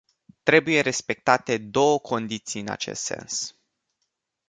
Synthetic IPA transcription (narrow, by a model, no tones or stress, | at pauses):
t̪ɾe̞buje̞ɾe̞spe̞k̚t̪at̪e̞d̪o̞wəkʰo̞nd̪it̪sijɨna̰t͡ʃḛst̪se̞̰ns